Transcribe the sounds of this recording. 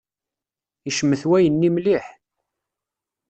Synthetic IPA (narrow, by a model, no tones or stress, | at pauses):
iʃəmːəθwæjənːimliħ